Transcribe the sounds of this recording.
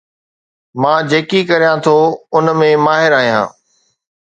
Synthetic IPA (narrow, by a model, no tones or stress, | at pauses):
mãːd͡ʑeːkikɐɾijãt̪ʰoʊnmẽmaːɦɪɾaːɦijã̰ː